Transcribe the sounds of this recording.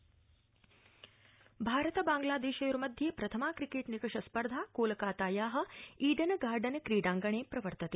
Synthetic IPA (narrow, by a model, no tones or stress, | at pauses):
bʱaːɾɐt̪ɐbaːŋɡlaːd̪eːʃɐjuɾɐmɐd̪ʱjeːpɾɐt̪ʰɐmaːkɾikeːʈnikɐʂɐspɐɾd̪ʱaːkoːlɐkaːt̪aːjaːɦɐ̆iːɖɐnɡaːɾɖɐnkɾiːɖaːŋɡɐɳeːpɾɐʋɐɾt̪ɐt̪e